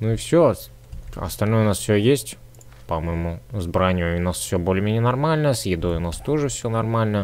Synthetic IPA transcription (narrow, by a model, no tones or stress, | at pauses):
nuɪfsʲo | ɐ̰st̪ɐlʲnojəʊnasfsʲojesʲtʲ | pɐməjɪmuzbɾanʲɪjʊʊnasfsʲobolʲɪmʲenʲɪənɐrmalʲnəsʲjɪd̪o̞jʊnast̪o̞ʐɨfsʲonɐrmalʲnə